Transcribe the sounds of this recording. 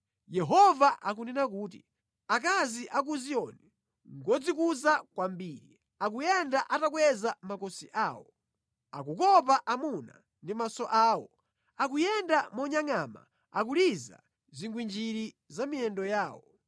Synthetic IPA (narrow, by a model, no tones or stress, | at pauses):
jɛɦɔvaʔak̬unɛnak̬uːtḭ | ak̬aziʔak̬uziɔnɛ | ŋɡɔd͡zikuzakwambiːɾi | ak̬ujɛndaʔatakwɛzamakɔsiʔaːwɔ | a̰kukɔp̬aʔamuna | ndimasɔʔaːwɔ | ak̬ujɛndamɔɲaŋama̰ | ak̬uliza̰ | ziŋɡwind͡ʒiɾi | zamiɛndɔjaːwɔ